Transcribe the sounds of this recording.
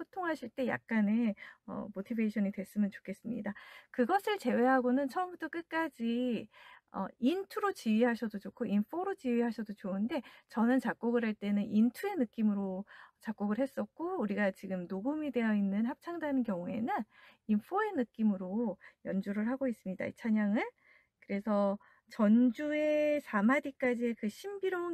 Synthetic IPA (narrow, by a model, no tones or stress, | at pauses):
pʰotʰoŋɦaɕʰiɭt͈e̞ja̰k̚k͈aneʌ̰motʰibeɕʰʌnidwe̞s͈ɯmjʌnt͡ɕo̥kʰe̞s͈ɯmɲḭdakɯɡʌsʰɯɭt͡ɕe̞we̞ɦaɡonɯnt͡ɕʰʌʌmbutʰʌk͈ɯk͈ad͡ʑi | ʌ̰intʰuɾot͡ɕiɥiɦaɕʰʌdot͡ɕokʰoʔinpʰoɾot͡ɕiɥiɦaɕʰʌdot͡ɕoɯnde̞t͡ɕʌnɯnt͡ɕak̚k͈oɡɯɭɦaɭt͈e̞nɯnintʰue̞nɯk͈imɯɾot͡ɕak͈oɡɯɭɦe̞s͈ʌk̚k͈ouɾiɡat͡ɕiɡɯmnoɡumide̞jʌinːɯnɦap̚t͡ɕʰaŋdanɯnkjʌŋue̞̰nɯninpʰoe̞nɯk͈imɯɾojʌnd͡ʑuɾɯɭɦaɡois͈ɯmɲida̰ḭt͡ɕʰaɲaŋɯn | kɯɾe̞sʰʌ | t͡ɕʌnd͡ʑue̞sʰamadik͈ad͡ʑiekɯɕʰimbiɾo